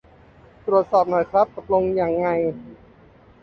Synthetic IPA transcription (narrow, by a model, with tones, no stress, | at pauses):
t̪ɾu˨˩ət̪̚sɔː˨˩p̚nɔː˨˩˦jkʰɾa˦˥p̚k̪o˨˩t̪̚lo˧ŋjaː˧ŋːa˧j